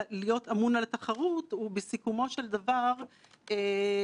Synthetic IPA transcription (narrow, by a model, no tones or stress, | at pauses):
lijo̞t̪amunalt̪aχaʁut̪ubesikumo̞ʃe̞ld̪avaʁ | e